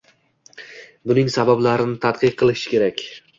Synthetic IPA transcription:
bʊnɪŋsabablaɾɪnɪt̪ʰat̪qɨqʰːɨlˠɪʃɪ̥kʲe̞ɾakʲ

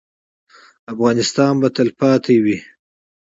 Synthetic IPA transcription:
afɣɑːnɪst̪ɑnbat̪alpɑt̪ʰewi

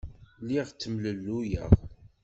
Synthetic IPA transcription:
liʁt͡sːəmləlːujə̰ʁ

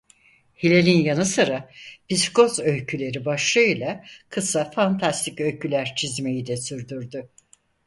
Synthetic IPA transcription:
hilʲelʲinjanɯsɯɾabisko̞zølcʰylʲe̞ɾibaʃlˠɯjlˠakʰɯsafant̪ʰast̪ʰicø̞lʲcʰylʲæɾt͡ʃʰizme̞jid̪ɛsyɾd̪yɾd̪y

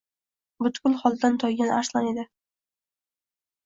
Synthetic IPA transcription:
bʊt̪kʊlˠχɒlˠd̪ant̪ʰɒjɡʲanaɾslˠaned̪ɪ

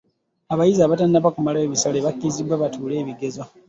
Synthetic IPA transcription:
aβajizaːβatannaβakumalaeβisaleβakːizibwaβatuːle̞ːβiɡe̞zo

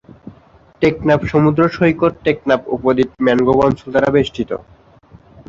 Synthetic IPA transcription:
ʈeknapʃomud̪ɾoʃoikoɾʈek̚napṵpod̪it̪̚mɛnɡobɔnsold̪aɾabeʃʈʰit̪o̰

